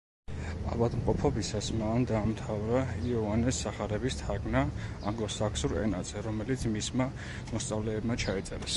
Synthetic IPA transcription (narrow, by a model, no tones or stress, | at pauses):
a̰vad̪mqʼɔpʰɔbisasmand̪aːmt̪ʰavɾaiɔvanɛsːaχaɾɛbist̪ʰaɾɡna | a̰ŋɡlɔsakʰsuɾɛ̰na̰d̪z̥ʰɛɾɔmɛlit̪sʰmisma | mɔst̪sʼavlɛːbmat͡ʃʰait̪sʼɛ̰ɾɛs